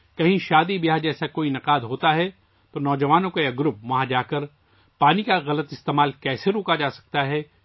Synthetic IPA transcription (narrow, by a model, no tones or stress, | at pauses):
kɐɦĩʃaːd̪ibiɦad͡ʒɛːsakoːinɐqaːd̪ɦoːt̪aɦɛ | t̪onɔːd͡ʒɐʋaːnõkojaɡʊɾʊp̚mɐɦãd͡ʒaːkɐɾ | paːnikaɣɐlət̪ɪst̪eːmaːlkɛːseɾoːkad͡ʒaːsɐ̥k̚t̪aɦɛː